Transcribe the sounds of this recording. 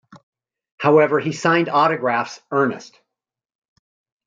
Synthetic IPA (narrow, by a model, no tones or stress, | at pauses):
haʊɛvə˞isãɪ̃ndɔɾɨɡɹæfsɜ˞nɨ̰st̚